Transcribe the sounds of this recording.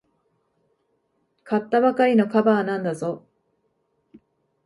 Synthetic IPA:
kʰat̪ːaβakaɾʲino̞kabaːnãnd̪azo̞

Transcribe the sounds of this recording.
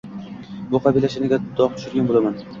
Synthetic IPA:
bʊqʰɑbilaʃɪnɪɡʲad̪̥ɒq̚t̪ʰʊ̥ʃɪɾɡʲanbolaman

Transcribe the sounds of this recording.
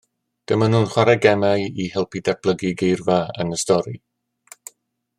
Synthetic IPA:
d̥əmanhuːnχwaɾaɡɛmajihɪlˠpidɛrb̥lˠəɡiɡejrvaə̰nəstɔɾi

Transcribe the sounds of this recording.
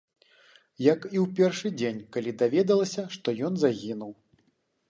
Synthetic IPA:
jɐkiwpʲɛrʂɨd͡zʲenʲkalʲid̪avʲɛd̪ɐlˠɐsʲɐʂt̪ɔjɔnzaɣʲinuw

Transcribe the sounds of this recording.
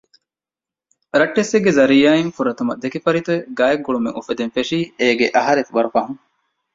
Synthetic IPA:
ɾɐʈːeseɡːezɐɾijaːiŋfuɾɐt̪umɐd̪ekifɐɾit̪ueɡaːjɐɡ̚ɡuɭumeŋufed̪enfeʂiːeːɡeʔɐɦɐɾet̪uʋɐɾufɐɦuŋ

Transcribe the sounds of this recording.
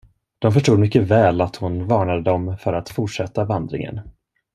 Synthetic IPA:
d̪̥ɔmfœʂʈuːd̪mʏkːəvɛːlat̪hʊnvɑːɳad̪əd̪ɔmfœɾat̪fʊʈʂɛt̪ːavand̪ɾɪ̰ŋə̰n

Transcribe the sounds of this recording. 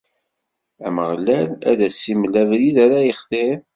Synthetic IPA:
æməʁlːælæ̰ðæsːiməlːævɾiðæɾæjəχθɪɾ

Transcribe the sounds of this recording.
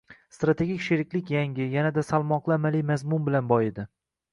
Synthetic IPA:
st̪ɾat̪ʰe̞ɡʲikʲʃeɾɪkʲlɪkʲjaŋʲɪjanad̪asalˠmɒqlˠɪmalijmazmʊnbɪlanbɒjed̪ɪ

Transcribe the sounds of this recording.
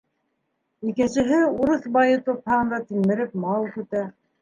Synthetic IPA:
ikɘ̆nsɘ̆ɦɘuɾɤθbɑjɤt̪ophɑʁɤ̆nd̪ɑt̪immɘ̆ɾɘpmɑlˠkɵ̆t̪æ

